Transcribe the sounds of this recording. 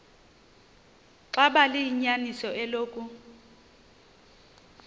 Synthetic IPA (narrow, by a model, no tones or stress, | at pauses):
ǁaɓalɪjiɲanisɔʔɛloːkʼu